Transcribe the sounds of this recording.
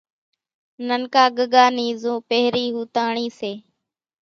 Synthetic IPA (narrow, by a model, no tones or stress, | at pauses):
nənkaːɠəɠaːniːzũːpəɦɾiːɦuːt̪aːɳiːseː